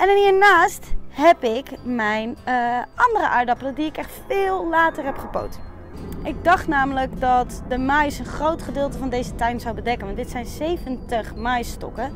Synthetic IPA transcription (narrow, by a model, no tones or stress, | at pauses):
ʔɛnɛnhiːɹnaːstɦɛpɪkmɛjnʔɑndərəʔaːɹdɑpələdiɪkɛχtfɪːlˠlaːtərɦɛpχəpo̰wt | ʔɪɡ̚dɑχtnaːmələkdɑtdəmɛjsənχrowtχədɪːlˠtəvɑndejzətɛjnzawbədɛkənʋɑntdɪtsɛjnzejvəntəχmajstɔ̰kə